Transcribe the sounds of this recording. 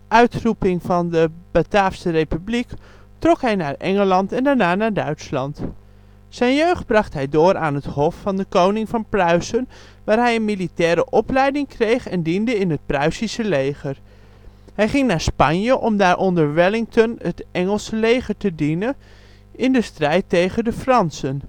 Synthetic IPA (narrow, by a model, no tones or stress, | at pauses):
ʔœɥtrupɪŋvɑndəb̥ataːfsərejpyblik | trɔkɦɛjnaːɹʔɛŋəlɑntɛndaːɹnaːnaːɹdœɥtslɑnt | sɛjnjøɥχd̚brɑχtɦɛjdʊːɹa̰ːnɦəthɔfːɑndəkownɪŋvɑnprœɥsən | ʋaːɹɦɛjənmilitɛːɾəʔɔplɛjdɪŋkrejχɛndindəɪnɦət̚prœɥsisəlejχəɹ | ɦɛjχɪŋnaːɹspɑɲjəʔɔmdaːɹʔɔndəɹʋɛlɪŋtɔnətɛŋəlˠsəlejχəɹtədinən | ɪndəstrɛjtejχəndəfrɑnsən